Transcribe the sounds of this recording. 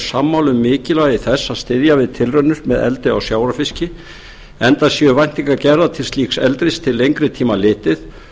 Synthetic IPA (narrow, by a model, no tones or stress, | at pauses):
samːawlʏmːɪːcɪlaɣɪθɛsːaðst̪ɪðjavɪðt̪ʰɪlrœnːʏɾmɛðɛ̰lt̪ɪa̰wsjaːwɾafɪscɪ | ɛnt̪asjɛʏvajn̥t̪iŋkacɛɾðat̪ʰɪlst̪liːksɛ̰lt̪ɾɪst̪ʰɪlːejŋkɾɪt̪ʰiːmalɪːt̪ɪθ